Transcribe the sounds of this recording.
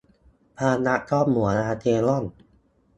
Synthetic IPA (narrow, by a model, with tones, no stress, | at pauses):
pʰaː˧na˦˥t̪ʰɔː˥˩p̚mu˨˩˦ɐnʔaː˧t̪ʰeː˧lɔ˥˩n